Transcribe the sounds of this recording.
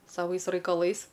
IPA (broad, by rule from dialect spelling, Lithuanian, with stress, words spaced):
sɐˈʋɐɪs rɐɪkɐˈlˠɐɪs